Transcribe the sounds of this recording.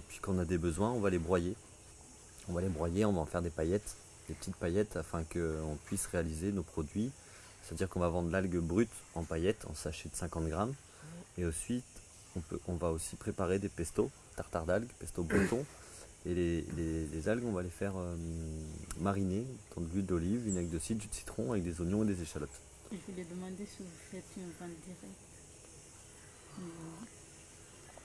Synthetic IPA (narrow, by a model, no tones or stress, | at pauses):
pɥi̥kɑ̃ɔ̃nad̪ebəzwɛ̃ɔ̃valebʁwaje | ɔ̃valebʁwajeɔ̃vaɑ̃fɛʁd̪epajɛt̪ | d̪epə̥t̪it̪̚pajɛt̪afɛ̃kəɔ̃pɥisʁealizenopχɔd̪ɥi | sɛ̥t̪ad̪iʁkɔ̃vavɑ̃d̪ʁlalɡbʁyt̪ | ɑ̃pajɛt̪ʰɑ̰̃saʃed̪əsɛ̃kɑ̃t̪ɡʁam | eosɥit̪ | ɔ̃pø̰ʔɔ̃vaosipχepaʁed̪epɛst̪o | t̪aʁt̪aʁd̪alɡpɛst̪obʁut̪ɔ̃ | elelelezalɡɔ̃valefɛʁø | maʁined̪̥ɑ̃d̪əlyd̪ɔlivynaɡd̪əsit̪̚d̪ysi̥t̪χɔ̃avɛk̚d̪ezonjɔ̃ed̪ezeʃalɔt̪ | ʒəvuled̪əmɑ̃d̪esivufɛt̪ɛ̃vɛ̃d̪iʁɛk̚t̪